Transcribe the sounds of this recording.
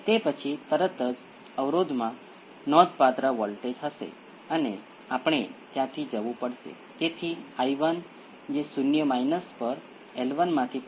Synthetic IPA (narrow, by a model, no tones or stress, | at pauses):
t̪epət͡ʃʰit̪əɾət̪əd͡ʒ | əʋɾod̪ʱmã | nɔd̪pat̪ɾaʋɔlʈed͡ʒɦəʃḛ | əne | apɳ̃et̪jãt̪ʰid͡ʒəʋũpəɽʃḛ | t̪et̪ʰiajʋən | d͡ʒesʊnjəmainəspəɾ | elʋənmãt̪ʰi